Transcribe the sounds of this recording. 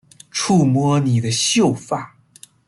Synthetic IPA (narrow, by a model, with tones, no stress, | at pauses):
ʈ͡ʂʰu˥˩mwɔ˥ni˨˩d̪ə˦ɕjo˥˧ʊfa˥˩